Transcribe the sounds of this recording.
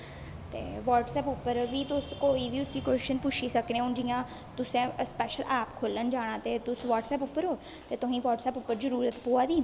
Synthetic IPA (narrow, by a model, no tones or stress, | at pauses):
t̪ḛːʋaːʈsɛːpʊpːəɾʋiːt̪ʊskoːiːʋiːʊsiːkoːʃɪʃənpʊt͡ʃʰiːsəknẽːʊɳɖijãː | t̪ʊsẽːspɛːʃəlʔɛːpkʰoːlənd͡ʒaːɽ̃ãːt̪eːt̪ʊsʋaːʈsɛːpʊpːəɾɦoː | t̪eːt̪ʊɦĩːʋɔːʈsɛːpʊpːəɾzəɾuːɾət̪poːaːd̪iː